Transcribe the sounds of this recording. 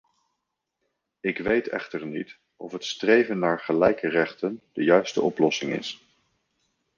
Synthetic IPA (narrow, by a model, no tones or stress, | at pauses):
ɪkʋejtɛ̰χtəɹnit | ɔfɦətstrejvənːaːɹχəlɛjkərɛχtənd̥əjœɥstəʔɔplɔsɪŋɪ̰s